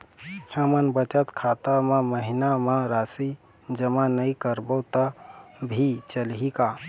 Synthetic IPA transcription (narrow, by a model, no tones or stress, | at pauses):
həmənbət͡ʃət̪kʰat̪amãməɦinamãɾasi | d͡ʒəmanəĩkəɾbət̪abʱit͡ʃəlɦika